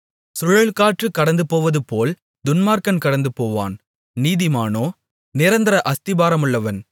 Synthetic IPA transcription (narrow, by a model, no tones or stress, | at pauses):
sʊɻɐɭkaːʈrɯkːɐɽɐnd̪ɯpoːʋɐðɯpoːl | d̪ʊnmaːɾkɐnkɐɽɐnd̪ɯpoːʋa̰ːn | niːðɪmaːnoː | nɪɾɐnd̪ɪɾɐʔɐst̪ɪbaːɾɐmɯɭːɐʋɐn